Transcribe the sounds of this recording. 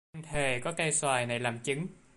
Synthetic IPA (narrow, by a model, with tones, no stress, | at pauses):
ŋt̪ʰe˨˩kɔ˨˦ka˧jswaː˨˩jna˨˩jlaː˨˩mt͡ɕɨ˨˦ŋ